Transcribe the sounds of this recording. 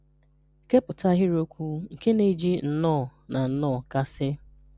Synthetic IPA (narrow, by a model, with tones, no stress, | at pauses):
ke˦pʊ˨ta˦ɦɪ˦ɾo˦kʷu˦ŋ̩˨ke˦ne˨˦d͡ʒi˦n̩˨nɔː˦˨na˨n̩˦nɔː˦˨ka˦sɪ˦